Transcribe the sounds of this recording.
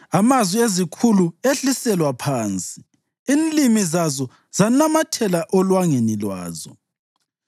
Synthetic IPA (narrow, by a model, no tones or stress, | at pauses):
amazwiezikʰulueɬisɛlwapʰaːnt͡sʼi | inlimizazɔ | z̥anamatʰɛlaʔɔlwaŋenilwa̰ːzɔ